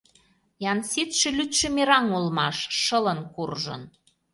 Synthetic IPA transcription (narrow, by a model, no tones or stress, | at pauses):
jɑnsit̪ʃĕlyt̪ʃĕmeɾɑŋulmɑʃʃələ̆nkurʒə̰n